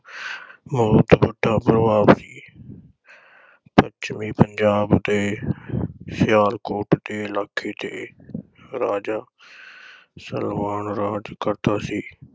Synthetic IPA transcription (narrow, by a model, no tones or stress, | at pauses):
məd̪bəʈːãːpɾəʋaːbsiː | pət͡ʃmiːpəɲd͡ʒaːbd̪eː | sɪjaːɾkoːʈd̪eːɪlaːkʰːeːt̪eː | ɾaːd͡ʒaː | sə̰lmaːnɾaːd͡ʒkəɾt̪aːsiː